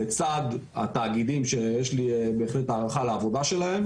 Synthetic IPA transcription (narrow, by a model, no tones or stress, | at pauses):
et͡sad̪a̰t̪aːɡid̪imʃejeʃlibe̞ːχle̞t̪aːʁaχaleavo̞d̪aʃe̞lae̞m